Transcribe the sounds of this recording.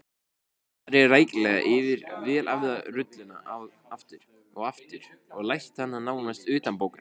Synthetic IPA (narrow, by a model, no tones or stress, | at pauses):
θaɾɛɾraːjklɛːɣa̰ʔɪvɪɾvɛːlʔa̰vðarʏt̪lɪnːa̰ʔawð | aft̪ɪɾ̥ | ɔɣaft̪ɪɾ̥ɔɣlajht̪hanːanaːwnast̪ʏːt̪ampowkan